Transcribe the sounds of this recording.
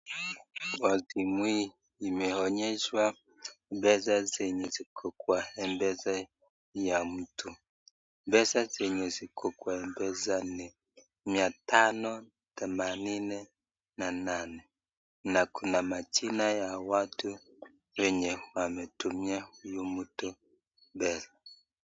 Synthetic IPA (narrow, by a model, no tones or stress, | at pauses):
wazimwi | imɛɔɲɛʃwa | bɛzazɛɲɛzikʰɔkwaɛmbɛza | jamutʰu | bɛzazɛɲɛzikʰɔkwaɛmbɛzanɛ | miatanɔ | tɛmaninɛ | nananɛ | nakʰunamat͡ʃinajawatʰu | wɛɲɛwamɛtumiahujumutu | bɛza